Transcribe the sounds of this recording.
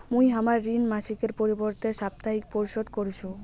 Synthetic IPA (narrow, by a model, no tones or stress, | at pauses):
mujɦamaɾːinmaʃikeɾpoɾiboɾt̪eʃap̚t̪aɦik̚poɾiʃod̪koɾt͡ɕʰu